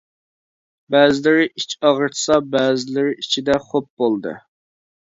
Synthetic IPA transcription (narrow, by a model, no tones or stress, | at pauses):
bæzɪlɪɾɪit͡ʃɑʁəɾt̪ʰsɑbæːzɪlɪɾɪit͡ʃʰid̪ɛχop̚bolˠd̪ɨ̰